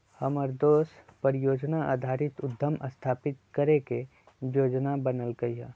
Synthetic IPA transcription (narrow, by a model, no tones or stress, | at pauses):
həməɾd̪oːspəɾɪjoːd͡ʒnaʔa̰ːd̪ʱaːɾɪt̪ʊd̪ʱːəmʔə̰st̪ʰaːpɪt̪̚kɐɾeke | joːd͡ʒnabənəlɡəiɦa̰ː